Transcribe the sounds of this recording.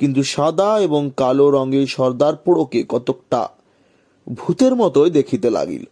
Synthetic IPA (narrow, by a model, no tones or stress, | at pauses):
kint̪̬uʃad̪aeboŋkaloɾɔŋɡeɾʃɔɾd̪aɾpoɽokekɔt̪ok̚ʈa̰ | bʱut̪eɾmɔt̪oed̪ekʰit̪ela̰ɡḭl